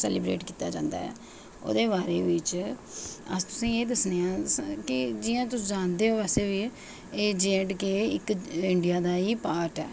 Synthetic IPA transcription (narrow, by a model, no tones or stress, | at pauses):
sɛ̰ːlibɾḛːʈkiːt̪aːd͡ʒãːnd̪a̰ːɦɛ̰ː | o̰ːd̪eːβaːɾeːʋɪt͡ʃ | ə̰st̪ʊ̥sĩːeːd̪əsneːãːkɪd͡ʒɪjãːt̪ʊsd͡ʒãːnd̪eːɦoːʋɛːseːʋiː | eːd͡ʒẽːʈkeːɪkɪɳɖijaːd̪aːiːpaːɾʈɛː